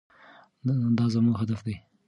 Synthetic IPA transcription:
d̪ɑzamuɡɦad̪afd̪aj

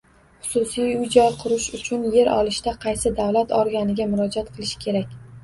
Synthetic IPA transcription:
χʊ̥sʊsijʊjd͡ʒɒɾqʰʊɾʊʃʊt͡ʃʰʊnje̞ɾɒ̰lˠɪʃt̪aqʰɑjsɪd̪awlat̪ɒɾɡʲanɪɡʲamʊɾɒd͡ʒat̪qʰɨlˠɪʃɪ̥kʲʰe̞ɾakʲ

